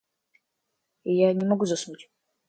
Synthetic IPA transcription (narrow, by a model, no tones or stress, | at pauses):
ijanʲɪmɐɡuzɐsnutʲ